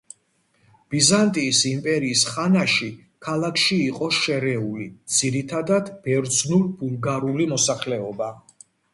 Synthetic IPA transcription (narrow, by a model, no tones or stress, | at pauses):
b̥izant̪ʼiːsimpʼɛɾiːsχanaʃi | kʰalˠakʰʃiːqʼɔʃɛɾɛulid̪z̥iɾit̪ʰad̪ad̪b̥ɛɾd̪znulbulˠɡaɾulimɔsaχlɛɔba